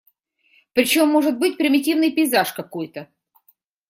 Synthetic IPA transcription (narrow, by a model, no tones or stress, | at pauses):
pɾʲɪt͡ɕo̞mːo̞ʐɨt̪̚bɨtʲpɾʲɪmʲɪtʲivnɨjpʲɪɪzaʂkɐko̞jt̪ə